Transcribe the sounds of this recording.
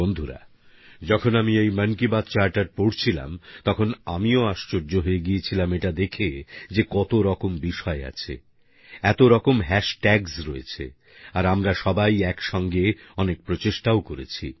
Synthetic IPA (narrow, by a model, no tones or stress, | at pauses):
ond̪ʱuɾa̰ | d͡ʑɔkʰonamiejmənkibat̪̚t͡ɕaɾʈaɾpoɽt͡ɕʰila̰mt̪ɔkʰonamioaʃt͡ɕoɾd͡ʑoɦoeɡijet͡ɕʰilameʈad̪ekʰed͡ʑekɔt̪oɾɔkombiʃɔea̰t͡ɕʰḛ | ɛt̪oɾɔkomɦɛʃʈɛɡsɾoet͡ɕʰḛ | aɾamɾaʃɔbajɛkʃɔŋɡeɔnek̚pɾot͡ɕeʃʈaokoɾet͡ɕʰḭ